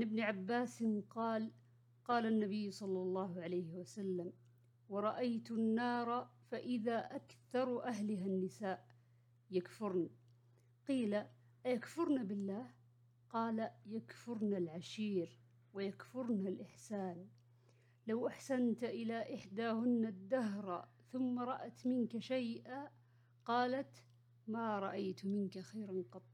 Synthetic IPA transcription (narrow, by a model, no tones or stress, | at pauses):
ʕanɪbnɪʕabːaːsɪnqɑːl | qɑːlanːabɪjːsˤɑlːɑlˤːɑːhʊʕalajhɪwasalːam | wɑɾˤɑʔajt̪ʊnːɑːɾˤɑfaʔɪðaːʔakθɑɾˤʔaɦlɪɦanːɪsaːʔ | jakfʊɾna | qiːla | ʔjakfʊɾˤnabɪlːaːh | qɑːlajakfʊɾnalʕaʃiːɾ | wɪjakfʊɾnalʔɪħsaːn | lawʔaħsant̪ʔɪlaʔɪħd̪aːhʊnːad̪ːaɦɾˤ | θʊmːaɾˤɑʔat̪mɪnkaʃajʔa | qɑːlat̪ | maɾˤɑʔajt̪mɪnkaxajɾnqɑt̪ˤː